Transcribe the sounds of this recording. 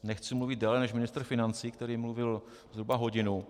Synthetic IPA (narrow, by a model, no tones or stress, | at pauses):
nɛxt͡sɪmluvɪd̪̚dɛːlɛnɛʃmɪnɪst̪r̩fɪnant͡siːk̚t̪ɛɾiːmluvɪl | zɦɾubaɦo̞ɟɪnu